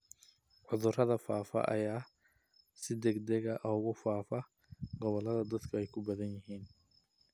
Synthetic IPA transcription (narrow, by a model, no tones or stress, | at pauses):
ʕʊðʊrɐðɐfaːfɐ̰ʔɐ̰jaː | sɪd̪ɛɡd̪ɛɣɐʔɔʊɣʊfaːfɐ | ɡɔβɔlɐðɐd̪ɐd̪kʰɐɛjkʰʊbɐðɐnjɪɦiːn